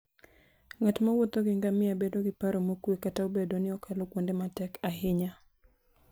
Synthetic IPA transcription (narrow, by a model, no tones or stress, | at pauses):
ŋatmawot̪oɡɪŋɡamɪabedoɡɪpaɾomokwekataubedonɪɔkʰalokwondematɛkahɪɲa